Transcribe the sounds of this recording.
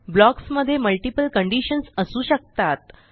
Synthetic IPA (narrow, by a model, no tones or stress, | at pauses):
blɔksməd̪ʱːjeməlʈipəlkəɳɖiɕənsəsuːɕək̚t̪at̪̚